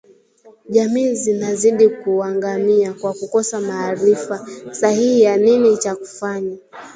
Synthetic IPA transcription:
ʄamiːzinaziɗikuaŋɡamiakwakukɔsamaːɾifasahihijaninit͡ʃaku̥faɲa

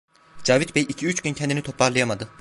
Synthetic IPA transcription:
d͡ʒaːvit̪bɛjicʰiyt͡ʃɟyncʰɛnd̪init̪ʰo̞pʰaɾlˠɯjamad̪ɯ

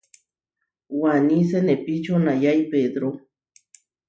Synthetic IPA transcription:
wanis̬enepit͡ʃonajajped̪ɾo

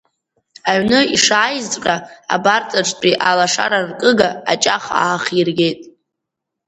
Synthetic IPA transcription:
aɥnɨiʂaːjzʼqʲʼaa̰bart͡sʼaʈ͡ʂʷtʼiʔalaʂa̰ɾarkʼɨɡaːt͡ʃʼaχa̰ːχirɡʲe̞jtʼ

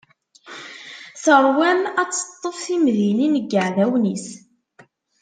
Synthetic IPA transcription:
θəɾˤwæmæt͡sːə̥t̪ˤːəfθimðininəɡːəʕðæwnis

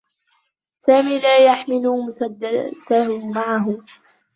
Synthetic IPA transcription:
saːmiːlaːjaħmɪluːmʊsad̪ːat̪ahʊmaʕaɦʊ

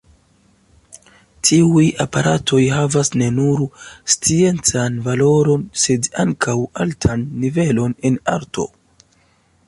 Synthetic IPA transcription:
tʰiujapaɾatʰo̞jɦavasne̞nuɾst͡sie̞nt͡sanvalo̞ɾo̞nse̞da̰ŋkʰawaltʰanːive̞lo̞ne̞na̰ɾtʰo̞̰

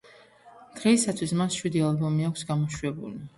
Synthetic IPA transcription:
d̪̥ʁɛisat̪ʰwismasʃwid̪ialbɔmiakʷʰsɡamɔʃwɛbṵli

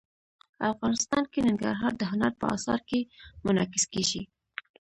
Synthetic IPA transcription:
afɣɑnɪst̪ɑnkenɪŋɡa̰ɾɦɑɾd̪əɦʊnaɾpə̰ɑ̰sɑ̰ɾkemʊnɑkɪskeʒi

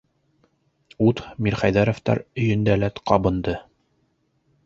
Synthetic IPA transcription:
ut̪miɾχæjðæɾŏft̪ɑ̰ɾɵ̆jɵ̆nd̪ælæt̪qɑbɤ̆nd̪ɤ

